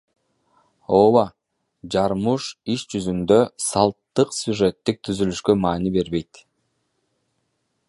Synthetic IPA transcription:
oːwa | d͡ʒɑɾmuʃiʃd͡ʒyzynd̪ø̞sɑlˠt̪ːɯqsʲjuʐet̪ːik̚t̪ʰyzylyʃkømɑːnibe̞ɾβe̞jt̪

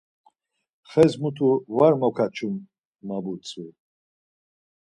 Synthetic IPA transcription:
χɛzmut̪ʰuvaɾmɔkʰat͡ʃʰum | mabut͡sʼu

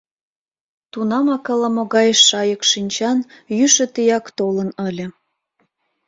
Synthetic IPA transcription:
t̪unɑmɑkələmoɣɑjʃːɑjəkʃinʲt͡ɕɑnjyʃə̆t̪ijɑkt̪olənəlʲə̆

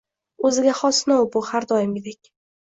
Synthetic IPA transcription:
ɵzɪɡʲaχɒsnɒwbʊhaɾd̪ɒjɪmʲed̪ekʲ

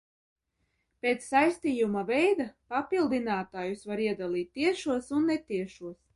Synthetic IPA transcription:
pʲeːt̪sːajsʲt̪iːjumavɛjd̪apapilˠd̪inaːt̪aːjusvaɾiɛd̪alˠiːt̪ʲːiɛʃuɔsunːɛt̪iɛʃuɔs

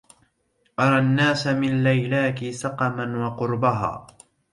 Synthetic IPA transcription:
ʔɑɾˤɑnːaːsamɪnlajlaːkɪsɑqɑmanwɑqʊɾbaɦa̰ː

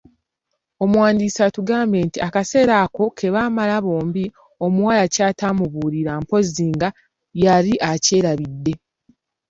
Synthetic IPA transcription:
o̞mwaːndiːsatuɡaːmbe̞ːntiakase̞ːɾaːko̞kʰe̞βaːmalaβo̞ːmbi | o̞muwalacaːtaːmuβuːɾiɾaːmpo̞ziːŋɡa | jaɾiʔace̞ːɾaβidːe̞

